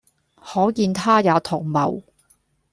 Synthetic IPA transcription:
hɔː˨˥kiː˧nt̪ʰaː˥ja˨˧wt̪ʰʊ˨˩ŋmɐ̰˨˩w

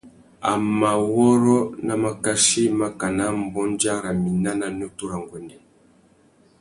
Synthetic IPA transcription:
a˨mma˨wɔ˦ɾɔ˦na˦ma˨ka˦ʃi˦ma˦ka˨na˦m̩˨bɔ˦nd͡ʒa˦ɾa˨mi˨na˦na˨n˦ɔ˦tu˦ɾa˨ŋɡwɛ˨ndɛ˨

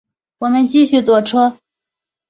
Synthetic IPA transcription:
wɔ˨˩mə˦nt͡ɕi˥˧ɕy˥˩t͡swɔ˨˩ʈ͡ʂʰɤ˥

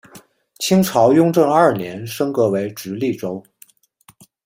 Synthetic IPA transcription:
t͡ɕʰi˥ŋʈ͡ʂʰɑ˧˥ʊjʊ˥ŋʈ͡ʂɤ˥˧ŋɐ˞˥˩njɛ˧˥nʂɤ˥ŋkɤ˧˥we˧˥ɪʈ͡ʂɻ̩˧˥li˥˩ʈ͡ʂo˥ʊ

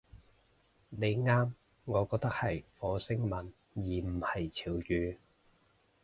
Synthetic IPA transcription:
ne˨˧jŋaː˥m | ŋɔː˨˧kɔː˧k̚t̪ɐ˥k̚hɐ˨jfɔː˨˧˥sɪ˥ŋmɐ˨˩n | jiː˨˩m̩˨˩hɐ˨jt͡sʰiː˨˩wjyː˨˧

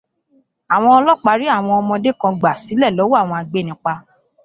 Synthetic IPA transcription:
a˨w̃ɔ̃˧ɔ˧lɔ˦˨k͡pa˨˦ɾi˦a˦˨w̃ɔ̃˧ɔ˧mɔ̃˧de˦kã˧ɡ͡ba˨si˨˦lɛ˦˨lɔ˨˦wo˦a˦˨w̃ɔ̃˧a˧ɡ͡be˦˨nĩ˨˧˦k͡pa˧

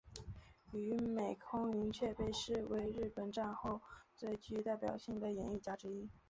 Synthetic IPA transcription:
y˨˧˥me˨˩ɪkʰʊ˥ŋi˧˥ŋt͡ɕʰɥɛ˥˧pe˥˧ɪʂɻ̩˥˩we˧˥ɪɻɻ̩˥˩pə˨˩nʈ͡ʂa˥˧nxo˥˧ʊt͡swe˥˧ɪt͡ɕy˥t̪a˥˩ɪpjɑ̰˨˩ʊɕi˥˩ŋd̪ə˩jɛ˨˩˦ni˥˩t͡ɕja˥ʈ͡ʂɻ̩˥i˥

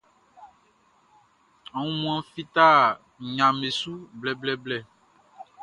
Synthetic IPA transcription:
a˨ŋũ˦mũ˦ã˦fi˦t̪a˦˨ | ɲã˨me˨su˦blɛ˨blɛ˨blɛ˦˨

